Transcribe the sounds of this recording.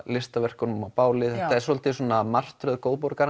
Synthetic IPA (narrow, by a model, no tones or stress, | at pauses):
lɪst̪avɛr̥kɔnmapaːwlɪθɛt̪aɛɾsolt̪ɪsuɔːnamar̥t̪ɾœðkoːwðpɔɾkaɾ